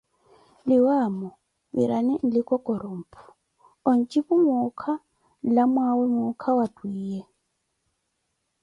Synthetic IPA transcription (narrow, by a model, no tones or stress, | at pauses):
lɪwamɔ | βḭɾʔanin̩likʼɔkʼɔɾom̩pʰu̥ | ɔn̩t͡ʃʼiβumukʰa | lamwawɛmʊkʰawatwiːjɛ